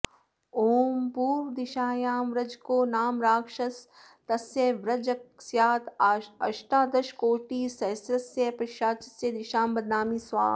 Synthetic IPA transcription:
oːmpuːɾʋd̪ɪʃaːjaːmʋɾɐd͡ʒkoːnaːmɾaːkʃɐs | t̪ɐsjeʋɾɐd͡ʒɐksjaːt̪ɐʃʈaːd̪ɐʃkoːʈiːsɐsɾɐsjɐpɾɐʃaːt͡ʃɐ̥sjɐd̪ɪʃaːmbɐd̪naːmiːsʋa̰ː

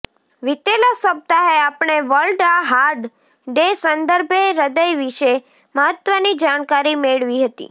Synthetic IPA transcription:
ʋit̪elasəb̚t̪aeapɳ̃eʋəlɖaɦaɾɖ | ɖesənd̪əɾbʱeɾəd̪əjʋiʃe | məɦət̪ʋənid͡ʒaɳ̃kaɾimeɭʋiɦət̪ḭ

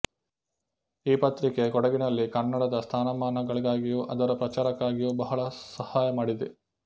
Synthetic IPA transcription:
iːpɐt̪ɾike̞kɔɽɐɡinɐlːikɐnːɐɽɐd̪ɐst̪ʰaːnɐmaːnɐɡɐɭiɡaːɡijuʔɐd̪ɐɾɐpɾɐt͡ʃaːɾɐkːaːɡijubɐɦɐɭɐsɐhaːjɐmaːɽid̪e

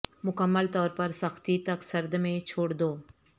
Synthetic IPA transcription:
mʊkəmːəlt̪ɔːɾpɐɾsɐxt̪it̪ɐksɐɾd̪mẽt͡ʃʰoːɽd̪oː

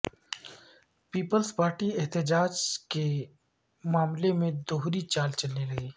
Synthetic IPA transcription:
piːpəlspaːɾʈiɛɦt̪əd͡ʒaːd͡ʒke | maːmlemẽd̪oːɦɾit͡ʃaːlt͡ʃɐlneɾɐɦeː

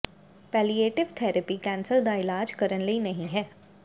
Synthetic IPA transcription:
pɛːlieːʈɪʋt̪ʰɛːɾəpikɛ̃ːnsəɾd̪aɪlaːd͡ʒkɐɾənləinɐɦĩɦɛː

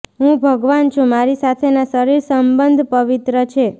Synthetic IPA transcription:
ɦũbʱəɡʋant͡ʃʰũmaɾisat̪ʰenasəɾiɾsəmbənd̪ʱpəʋit̪ɾət͡ʃʰe

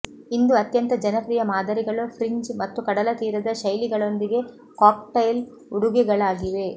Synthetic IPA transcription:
ind̪uɐt̪jɐnt̪ɐd͡ʒɐnɐpɾiːjɐmaːd̪ɐɾiɡɐɭupʰɾiɲd͡ʒmɐt̪ːukɐɽɐlɐt̪iːɾɐd̪ɐʃɐjliɡɐɭo̞nd̪iɡe | kaːk̚ʈɐjl | uɽuɡiɡɐɭaːɡiʋe̞

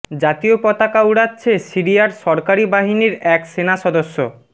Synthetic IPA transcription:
d͡ʑat̪iopɔt̪akauɽatːɕʰesiɾijaɾʃɔɾkaɾibaɦiniɾɛksenaʃɔd̪oʃːo̰

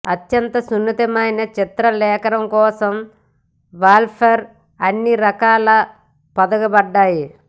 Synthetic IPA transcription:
ɐt̪jɐnt̪ɐsunːɐt̪ɐmɐjnɐt͡ʃit̪ɾɐlɛːkɐɾɐmkɔːsɐm | ʋaːlpʰɐɾ | ɐnːiɾɐkaːlɐ | pɐd̪ɐɡɐbɐɖːaːji

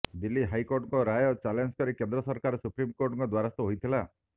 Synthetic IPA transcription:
d̪ilːiɦajkoɾʈɔŋkɔɾajɔt͡ʃalend͡ʒkɔɾikend̪ɾɔsɔɾkaɾɔsupɾimkoɾʈɔŋkɔd̪waɾast̪ɔɦojt̪ʰila

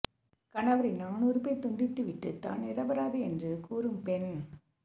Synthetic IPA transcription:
kɐɳɐʋɐɾɐɪnaːnuːɾɯpeːt̪ʊɳɖɪt̪ːɯʋɪʈːɯt̪a̰ːnnɪɾɐbɐɾaːðɯɛndrɯkuːɾɯmpɛn

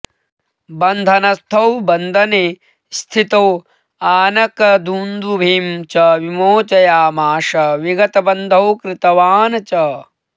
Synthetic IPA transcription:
bɐnd̪ʱɐnɐst̪ʰɐwbɐnd̪ʱɐne | st̪ʰit̪ɐw | aːnɐkɐd̪uːnd̪ubʱiːmt͡ʃɐʋimoːt͡ʃɐjaːmaːʃɐʋiɡɐt̪ɐbɐnd̪ʱɐwkɾɪt̪ɐʋaːnɐt͡ʃɐ

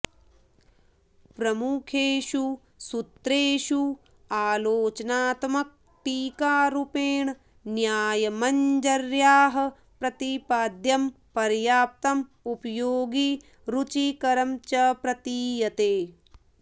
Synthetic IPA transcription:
pɾɐmukʰeːʃu | sut̪ɾeːʃu | aːloːt͡ʃɐnaːt̪mɐk̚ | ʈiːkaːɾupeːɳ | njaːjɐmɐɲd͡ʒɐɾjaːɦɐ̆ | pɾɐt̪ipaːd̪jɐm | pɐɾjaːp̚t̪ɐm | upɐjoːɡi | ɾut͡ʃikɐɾɐmt͡ʃɐpɾɐt̪iːjɐt̪eː

